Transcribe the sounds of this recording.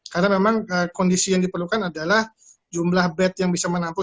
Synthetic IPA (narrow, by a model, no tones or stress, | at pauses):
kaɾənamemaŋəkɔndisijaŋdipərlukanadalah | d͡ʒumlahbɛt̪̚jaŋbisamənampʊ